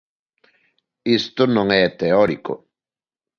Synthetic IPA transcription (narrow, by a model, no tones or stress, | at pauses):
ist̪ʊnõŋɛt̪eɔɾiko̰